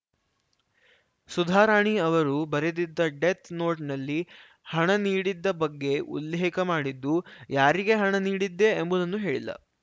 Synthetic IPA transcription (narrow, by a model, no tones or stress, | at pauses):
sud̪ʱaːɾaːɳiɐʋɐɾubɐɾed̪id̪ːɐɖet̪ʰno̞ːʈnɐlːi | hɐɳɐniːɽid̪ːɐbɐɡːe̞ʔṵlːeɦikɐmaːɽid̪ːujaːɾiɡe̞ɦɐɳɐniːɽid̪ːe̞ːmbud̪ɐnːuɦe̞ːɭḭlːɐ̰